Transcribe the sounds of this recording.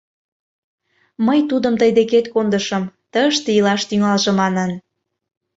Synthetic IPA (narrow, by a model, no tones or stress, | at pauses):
məjt̪ud̪əmt̪əjd̪eket̪kond̪əʃəmt̪əəʃt̪eilɑʃt̪yŋɑlʒĕmɑnən